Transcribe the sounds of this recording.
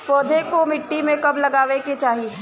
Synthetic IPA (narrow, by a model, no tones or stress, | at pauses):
poːd̪ʱekomɪʈːimẽkɐblɐɡaːʋeket͡ʃaːɦiɦɛ